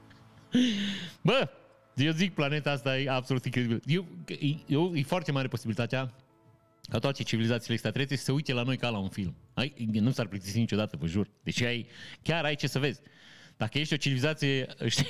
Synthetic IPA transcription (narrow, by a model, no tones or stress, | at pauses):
bə | jezik̚plane̞t̪aast̪ajeabsolut̪iŋkɾe̞d̪ibiləjewjewjefoart̪emaɾe̞po̞sibilit̪at̪ea | kat̪oat̪e̞t͡ʃivilizat̪silekst̪at̪ɾeseʃi̥səujt̪e̞lano̞jkalaunfilmajnusarplət̪isinit͡ʃo̞d̪at̪əvəʒurd̪e̞t͡ʃeajkʲaɾajt͡ʃe̞səve̞zʲd̪̥akəje̞ʃt̪ʲot͡ʃivilizat̪sije̞ʃt̪i